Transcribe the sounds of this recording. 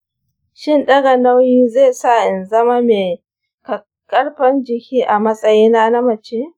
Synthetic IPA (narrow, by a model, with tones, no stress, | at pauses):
ʃɪ˦nɗɐ˦ɡɐ˨na˦wjiː˦zeː˦˨sa˦˨ʔɪ˨nzɐ˦ma˦meː˨ | kɐ˨ | kʼɐ˦ɽɸɐ˦nd͡ʒɪ˨kʲiː˦ʔa˨mɐ˦sʼɐ˦jiː˦na˦na˦mɐ˨t͡ʃe˦